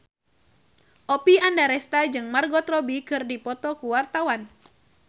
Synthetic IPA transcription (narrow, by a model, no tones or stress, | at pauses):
ʔɔpiandaɾɛst̪ad͡ʒɨŋmarɡɔt̪rɔbikɨrdipɔt̪ɔkuwart̪awan